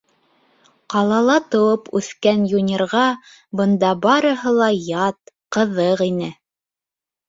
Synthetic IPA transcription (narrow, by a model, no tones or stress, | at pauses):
qɑlˠɑlˠɑt̪ŏwɤpʉθkænjunʲerʁɑ | bɤ̆nd̪ɑbɑɾɤ̆ɦɤlˠɑjɑt̪ | qɤ̆ðɤqinɘ